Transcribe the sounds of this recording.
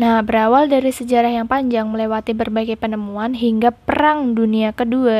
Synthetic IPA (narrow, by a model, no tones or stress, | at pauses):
nahbəɾawaldaɾisəd͡ʒaɾahjaŋpaɲd͡ʒaŋməlewat̪ibərbaiɡajpənəmuanɦiŋɡapəɾaŋduniakədua